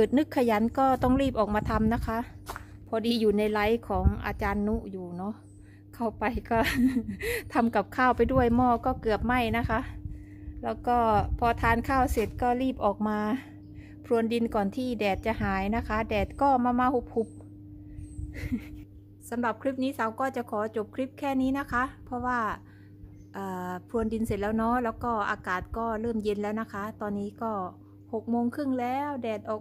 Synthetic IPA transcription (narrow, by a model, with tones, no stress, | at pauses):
pɤː˨˩t̪̚nɯ˧˥˩kʰːa˧˩ja˨˦nkɔː˥˩t̪ɔ˥˩ŋɾiː˥˩p̚ʔɔː˨˩k̚maː˧t̪ʰa˧mna˦˥kʰa˧˦˥ʔpʰɔː˧diː˧˩juː˨˩na˧jla˨˧˦jkʰɔː˩˦ŋʔa̰ː˧t͡ɕaː˧nːu˧˥juː˨˩nɔ˧˥ | kʰa˧˩wpa˧jkɔː˥˩ | t̪ʰa˧mka˨˩p̚kʰaː˥˩wpa˧jdu˥˩əjmɔː˧˩kɔː˧˥˩kɤ˨˩əp̚ma˥˩jna˦˥kʰa˦˥ʔ | lɛː˦˥˩wkɔː˥˩pʰɔ˧t̪ʰaː˧˥nkʰaː˥˩wse˨˩t̪̚kɔː˥˩liː˥˩p̚ʔɔː˨˩k̚maː˧ | pʰɾu˧˨əndi˧nkɔː˨˩nt̪ʰiː˧˩dɛː˨˩t̪̚t͡ɕa˧˨ɦaː˨˦jna˧˥kʰa˦˥dɛː˨˩t̪̚kɔː˧˩maː˧maː˧ho˨˧˩p̚hu˧˩p̚ | sa˨˦mla˨˩p̚kʰɾi˦˥p̚niː˦˥sa˨˦wkɔː˥˩t͡ɕa˨˧˦kʰɔː˨˦t͡ɕo˨˧˦p̚kʰɾi˦˥p̚kʰɛː˧˩˨niː˦˥˨na˦˥kʰa˦˥pʰɔ˧waː˧˩ | ʔaː˨˩pʰɾu˧əndi˧nse˨˩t̪̚lɛː˦˧˥wnɔː˧˥lɛː˧˥wkɔː˧˩ʔa̰ː˧kaː˨˩t̪̚kɔː˧˥˩lɤː˧˩mje˧nlɛː˦˥˩wna˧˥kʰa˦˥t̪ɔː˧nːiː˦˥kɔː˧˩ | ho˨˩k̚moː˧ŋkʰɯ˧˥˩ŋlɛː˦˥wdɛː˨˩t̪̚ʔɔː˨˩